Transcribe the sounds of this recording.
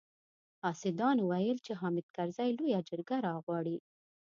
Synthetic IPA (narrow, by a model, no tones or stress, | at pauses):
hɑsɪd̪ɑnwajəlt͡ʃeɦɑmɪd̪̚kaɾzajlojad͡ʒəɾɡaɾɑɣwɑɽi